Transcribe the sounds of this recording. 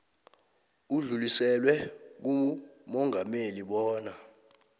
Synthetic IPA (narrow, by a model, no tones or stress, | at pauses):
uɮulisɛlwɛk̬umɔŋameliɓɔːna